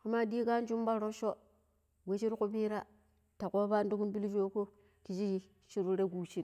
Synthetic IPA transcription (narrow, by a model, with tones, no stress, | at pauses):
ka˨ma˦di˦ka˦n˦d͡ʒu˦mba˦ɾo˦ʃo˦ | we˦t͡ʃi˦ɾku˦bi˦ɾa˦ | ta˨ko˦ba˦ndu˦ku˦nbi˦ld͡ʒo˦ko˦ | ki˨d͡ʒi˦ | t͡ʃi˦ɾu˦ɾe˦ɡuː˨t͡ʃi˦n